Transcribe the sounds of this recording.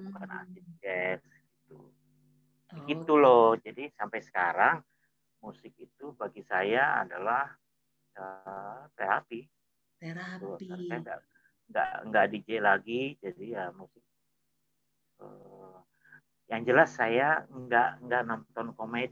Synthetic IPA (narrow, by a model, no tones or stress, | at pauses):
kəkanaa̰sid͡ʒɛs | ɡit̪ṵ | ɡit̪ulɔhd͡ʒadisampajsə̥kaɾaŋ | musɪk̚it̪ubaɡisajaa̰dalah | ət̪eɾapi | it̪uaaŋsajaŋɡa̰ʔ | ŋɡa̰ʔŋɡa̰ʔdid͡ʒɛlaɡid͡ʒadijamusɪk̚ | ə | jaŋd͡ʒəlasːajaŋɡaʔŋɡaʔnɔnt̪ɔnkomed